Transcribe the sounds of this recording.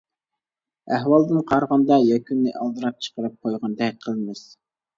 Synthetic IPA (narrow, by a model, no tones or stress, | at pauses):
æɦwɑlˠd̪ɨnqʰɑɾʁɑnd̪ɑjɛkʲʰynːɪʔɑlˠd̪ɨɾɑp̚t͡ʃʰə̥qəɾɨp̚qʰojʁɑnd̪ɛqʰəlˠmɨs